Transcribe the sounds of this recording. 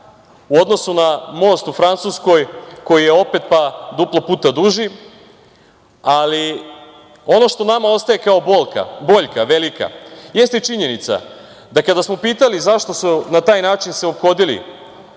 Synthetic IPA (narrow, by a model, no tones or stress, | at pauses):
uo̞d̪no̞sunamo̞ːst̪ufɾant̪susko̞jko̞jije̞o̞pe̞t̪pad̪uplˠo̞puːt̪ad̪uʒi | ali | o̞no̞ʃt̪o̞namao̞st̪ajekao̞bolka̰bo̞ʎkaʋe̞lika̰je̞st̪it͡ʃiɲe̞nit̪sa̰ | d̪akad̪asmo̞piːt̪alizaʃt̪o̞sunat̪aːjnaːt͡ʃinseo̞pxo̞d̪ilḭ